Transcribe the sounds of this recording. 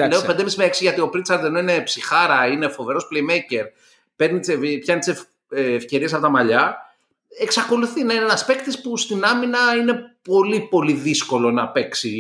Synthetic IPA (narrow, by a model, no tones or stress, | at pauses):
leoped̪emiszmeeksiʝɐt̪io̞pɾit̪sɐɾt̪eno̞ine̞psixɐɾɐine̞fo̞ve̞ɾo̞sple̞jmejce̞ɾ | pe̞ɾnit̪sevpçɐnit̪isef | fce̞ɾies̬ɐpot̪ɐmɐʎɐ | e̞ksɐko̞luθinɐinenɐspe̞kt̪ispust̪inɐminɐine̞po̞lipo̞liðisko̞lo̞nɐpe̞ksi